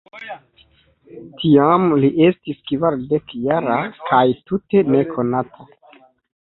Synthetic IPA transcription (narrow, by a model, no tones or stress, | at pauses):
tʰiamliʔe̞stiskvaɾde̞kjaɾakʰajtute̞ne̞kʰo̞natʰa